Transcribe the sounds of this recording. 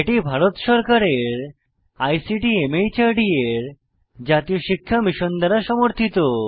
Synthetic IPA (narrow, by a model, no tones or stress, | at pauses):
eʈibʱaɾot̪ʃɔɾkaɾeɾ | ajsiʈiemejt͡ɕaɾɖieɾ | d͡ʑat̪ijoʃikʰːamiʃond̪aɾaʃɔmoɾt̪ʰit̪o